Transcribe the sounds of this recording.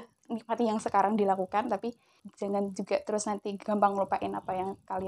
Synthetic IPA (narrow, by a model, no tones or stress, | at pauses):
nɪk̚mat̪ijaŋsəkaɾaŋdilakukant̪api | d͡ʒaŋand͡ʒuɡat̪əɾʊsnant̪iɡambaŋlupaʔɪnapajaŋkali